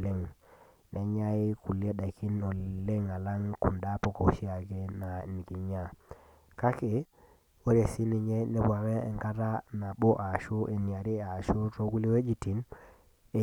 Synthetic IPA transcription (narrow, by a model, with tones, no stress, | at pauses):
le˦ŋ | nʔɛ˨ɲa˦ɪ˦ku˨li˦e˦da˨kʰi˦no˨le˦ŋa˨la˦ŋku˨nda˦po˦˨ko˨˦ʃi˦a˨ɡe˦na˨ni˨ki˨ɲa˦ | ka˦kɪ˨ | wo˦ɾe˨si˦ni˨ɲe˦nɛ˦bwa˨ɣɛː˦˨ŋka˦ta˦na˨bo˦ʔa˨ʃu˦ʔe˨ni˨a˨ɾi˦a˨ʃu˦to˦ɡu˦li˦we˦d͡ʒi˨ti˨n | e˨